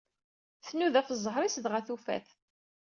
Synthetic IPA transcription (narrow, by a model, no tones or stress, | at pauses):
θnuðæfəzˤːəɦɾˤisðʁæθufæ̰θ